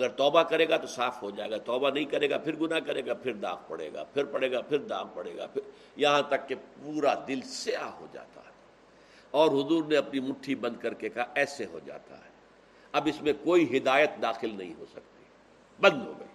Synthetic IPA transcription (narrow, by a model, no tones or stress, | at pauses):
ɐɡəɾt̪ɔːbakɐɾeːɡat̪osaːfɦod͡ʒaːḛːɡat̪ɔːbanɐɦĩkɐɾeːɡa̰pʰɪɾɡʊnakɐɾeːɡapʰɪɾd̪a̰ːɡpɐ̰ɽḛːɡa̰ːpʰɪɾpɐɽeːɡapʰɪɾd̪a̰ːk̚pɐɽḛːɡa̰ːpʰɪɾ | jɐɦãt̪ɐkːepuːɾad̪ɪlsɪaɦo̰d͡ʒa̰ːt̪a̰ɦɛː | ɔːɾɦʊzuːɾneɐpnimʊʈʰːibɐ̃nd̪̚kɐɾkekaɦɛːseɦo̰d͡ʒa̰ːt̪a̰ɦɛː | ɐbɪsmẽkoːiɦɪd̪aːjət̪̚d̪aːxɪlnɐ̰ɦḭ̃ɦo̰sɐk̚t̪i̥ | bɐ̃nd̪ɦo̰ːɡɐ̰iː